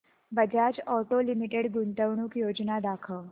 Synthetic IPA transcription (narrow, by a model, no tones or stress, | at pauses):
bəd͡ʑjat͡ɕɔʈolimiʈeɽɡunt̪əʋɳuːkjod͡ʑnad̪akʰə